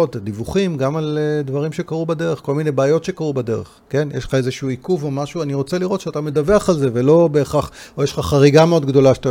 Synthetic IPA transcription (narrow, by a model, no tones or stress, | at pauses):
otadivuχimɡamaldvaʁimʃe̞kaʁubade̞ʁeχko̞lmine̞jbaːjo̞tʃe̞kaʁubade̞ʁḛχke̞njḛʃlχaezeʃuuikuvomaʃuaniʁo̞t͡seliʁo̞t̪ʃeatame̞dabeaχalze̞ve̞lo̞be̞ːχaχojeʃlχaχaʁiɡameo̞d̪ɡdo̞laʃata